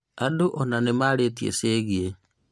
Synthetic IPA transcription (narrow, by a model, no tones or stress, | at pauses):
adoʔɔnanemaːɾeːtiḛseːɣie